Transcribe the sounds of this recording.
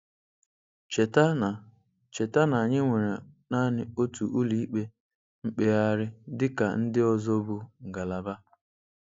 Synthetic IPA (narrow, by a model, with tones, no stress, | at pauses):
t͡ʃe˨ta˦˨ | t͡ʃe˨ta˦na˨a˨ɲɪ˦ŋʷe˨ɾe˨na˦nɪ˨o˦tu˨ʔu˦li˨˦i˦k͡pe˦ | ŋ͡m̩˦k͡pe˦a˦ɾɪ˦dɪ˦ka˨n̩˦dɪ˦ɔ˦zɔ˦bu˨ŋ̩˨ɡa˨la˨ba˦